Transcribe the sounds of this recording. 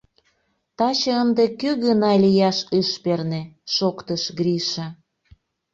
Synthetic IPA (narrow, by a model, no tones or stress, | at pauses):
t̪ɑt͡ɕɤənd̪ekøɣənɑlʲijɑʃɨʃperneʃokt̪əʃɡɾiʃĕ